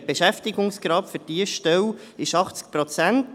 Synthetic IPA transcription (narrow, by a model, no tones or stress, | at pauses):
b̥eʃæftɪɡʊŋsɡ̥ɾɑːpfɵɾd̥iəʃtɛw | ɪʃɑχt͡sk̚pɾot͡sænt